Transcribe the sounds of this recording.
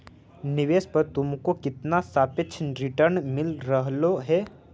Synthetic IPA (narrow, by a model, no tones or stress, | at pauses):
nɪʋeːspɐɾt̪ʊmkokɪt̪nasaːpɪtːt͡ʃʰɾɪʈəɾnmɪlɾəɦloɦɛː